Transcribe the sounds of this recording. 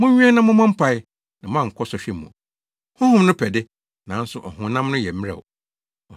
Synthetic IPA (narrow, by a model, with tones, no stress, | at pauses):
mʊ̃˦ɲᶣũ˦ɛ̃˦nã˦mʊ̃˦mã˦m̩˦pʰa˦ɪ˦ | nã˨mã˦˨ŋ̩˨kʰɔ˦sɔ˨ɕᶣɛ˦mṵ̃˨ | hʊ̃˦hʊ̃˦mnʊ̃˦pʰɛ˨dɪ˦ | nã˨˦n̩˦sʊ˨ʔɔ˨hʊ̃˨˦nã˦mnʊ̃˦jɛ˨m˦ɾɛ̰˨w | ɔ˨